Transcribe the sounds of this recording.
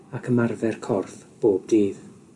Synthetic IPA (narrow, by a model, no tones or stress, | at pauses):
akʰəmarvɛrkʰɔrθb̥oːb̚diːð